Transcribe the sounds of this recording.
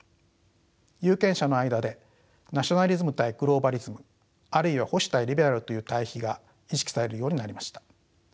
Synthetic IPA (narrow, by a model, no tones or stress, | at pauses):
jɯːkẽ̞ɰ̃ɕano̞aid̪ad̪e̞ | naɕio̞naɾʲizɨmɯ̟t̪aiɡ̥ɯ̟ɾo̞ːbaɾʲizɨmɯ | aɾɯ̟iβaho̞ɕi̥t̪aiɾʲibe̞ɾaɾɯt̪o̞jɯ̟ːt̪aiçiɡa | iɕi̥kʲi̥saɾe̞ɾɯ̟jo̞ːɲ̟inaɾʲimaɕi̥t̪ḁ